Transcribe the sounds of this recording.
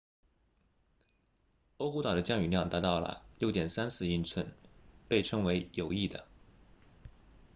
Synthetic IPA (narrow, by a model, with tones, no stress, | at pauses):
o˥ʊxu˧˥t̪ɑ˨˩d̪ə˦t͡ɕjɑ˥ŋy˨˩ljɑ˥˩ŋt̪a˧˥t̪ɑ˥˩ʊlə̰˩ljo˥˩ʊt̪jɛ˨˩nsa˥nsɹ̩˥˧i˥˧nt͡sʰwə˥npe˥˩ɪʈ͡ʂʰɤ˥ŋwe˧˥ɪjo˨˩ʊi˥˩d̪ə̰˩